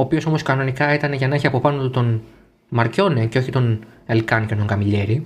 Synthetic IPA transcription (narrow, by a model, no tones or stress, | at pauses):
oːpioso̞mo̞skɐno̞nikɐit̪ɐneʝɐnɐeçiɐpo̞pɐnot̪ut̪o̞n | mɐɾco̞nece̞oçit̪o̞nelkɐncet̪oŋɡɐmiʎe̞ɾi